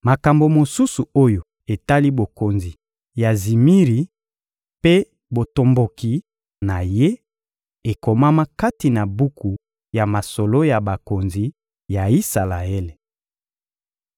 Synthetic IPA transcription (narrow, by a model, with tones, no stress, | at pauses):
ma˨ka˨mbo˨mo˨su˦su˨o˦jo˨ | e˨ta˦li˦bo˨ko˨nzi˨ | ja˨zi˨mi˦ʁi˨ | pe˦ | bo˨to˨mbo˨ki˨ | na˨je˦ | e˨ko˨ma˦ma˦ka˦ti˨na˨bu˦ku˨ | ja˨ma˨so˨lo˦ja˨ba˨ko˨nzi˨ | ja˨i˦sa˨la˨e˦le˨